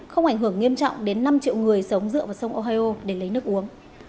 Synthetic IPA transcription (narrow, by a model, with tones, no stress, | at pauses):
xə˧wŋ͡mʔa˧˩ŋ̟ɦɨ˧˩əŋːi˧əmt͡ɕɔ̰˧˨wŋ͡mɗe˨˦nːa˧mt͡ɕḭ˧˨wŋɨ˨˩əjsə˨˦wŋ͡mzɨ̰˧˨vaː˨˩sə˧wŋ͡mʔo˧ɦaː˧jʔo˧ɗe˧˩lə˨˦jnɨ˦˥ək̚ʔu˨˦əŋ